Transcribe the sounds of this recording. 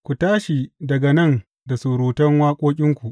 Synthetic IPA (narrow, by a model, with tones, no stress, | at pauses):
kʷu˨taː˦ʃi˨dɐ˨ɡa˨nɐ˦˨n | da˨su˨ɾuː˨tɐ˦ŋwaː˦kʷʼoː˦kʲʼɪ˦ŋkʷu˨ʔ